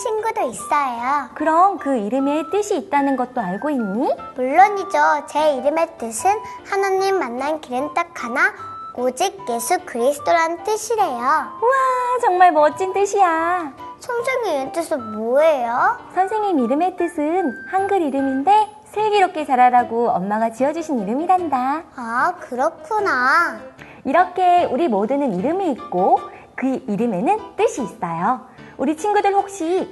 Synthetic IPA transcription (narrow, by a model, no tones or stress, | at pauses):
ɕʰinɡudois͈ʌejokɯɾʌmkɯiɾɯme̞t͈ɯɕʰiːt̚t͈anɯnɡʌt̚t͈oaɭɡoinɲimuɭːʌɲid͡ʑot͡ɕe̞iɾɯmet͈ɯsʰɯnhanaɲːimːanːankiɾent͈akʰana | od͡ʑik̚je̞sʰukɯɾisʰɯ̥t͈oɾant͈ɯɕʰiɾe̞jouat͡ɕʌŋmaɭmʌt͡ɕ͈int͈ɯɕʰija | sʰoŋsʰɯŋient͈ɯsʰomoejosʰʌnsʰe̞ŋɲimiɾɯme̞t͈ɯsʰɯnhanɡɯɾiɾɯminde̞ | sʰe̞ɡiɾop̚k͈ʰe̞t͡ɕaɾaɾaɡoʌmmaɡat͡ɕijʌd͡ʑuɕʰiniɾɯmiɾandaakɯɾʌkʰuna | iɾʌkʰe̞uɾimodɯnɯniɾɯmiːk͈o | kɯiɾɯme̞nɯnt͈ɯɕʰiːs͈ajouɾit͡ɕʰinɡudɯɭɸok̚ɕ͈i